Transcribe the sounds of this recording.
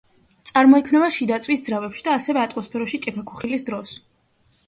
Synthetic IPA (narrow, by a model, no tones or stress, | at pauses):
t̪sʼaɾmɔikʰmnɛbaʃid̪at̪sʼwisd̪zɾavɛpʃid̪aːsɛvɛat̪ʼɔspʰɛɾɔʃit͡ʃʼɛkʰakʰuχilisd̪ɾɔs